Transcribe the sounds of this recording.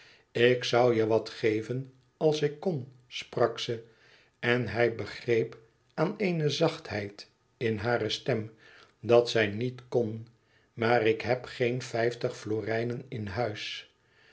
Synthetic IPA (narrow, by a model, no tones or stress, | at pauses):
ɪksʌwjəʋɑtχejvən | ɑlˠsɪkːon | sprɑksə | ɛnɦɛjbəχrejp | aːnejnəzɑχthɛjt | ɪnɦaːrəstɛm | dɑtsɛjnitkon | maːrɪkɦɛpχejnfɛjftəχfloːrɛjnənɪnɦœɥs